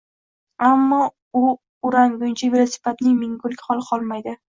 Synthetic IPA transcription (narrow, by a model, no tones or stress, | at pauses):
amːɒ | ʊ | ʊɾaŋɡʊnt͡ʃʰavɪɾasɪ̥pat̪nɪŋmɪŋɡʊlˠkʲχɒlˠqʰɒlˠmajd̪ɪ